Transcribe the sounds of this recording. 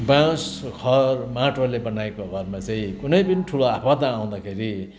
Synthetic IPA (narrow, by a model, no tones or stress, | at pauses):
bãskʰʌrmaʈʰorlebʌnaekoɡʱʌrmat͡saĩkunʌjpʌniʈʰuloapʌd̪aːw̃d̪akʰeɾi